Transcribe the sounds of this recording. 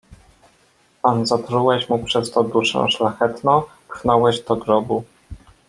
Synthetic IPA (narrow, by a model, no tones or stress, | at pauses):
panzat̪ɾuwɛɕmupʂɛst̪ɔd̪uʂɛ̰̃ʂlaxɛt̪nɔ̃t̪xnɔwɛʑd̪ɔɡɾɔbu